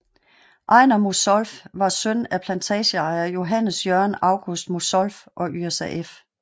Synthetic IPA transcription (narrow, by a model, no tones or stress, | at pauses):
ʔɑ̈ɪnɐmosɒ̽lfʋɑ̈søn̰æpʰlænt͡sʰɛːɕəɑ̈ɪɐjo̝ɦænəsjœɐnɑ̈ʊɡ̥usd̥mosɒlfʔɒ̽ʔyesæʔef